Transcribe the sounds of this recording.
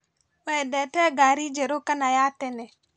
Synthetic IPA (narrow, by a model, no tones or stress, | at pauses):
wɛdɛtɛɡaɾid͡ʒeɾokanajatɛnɛ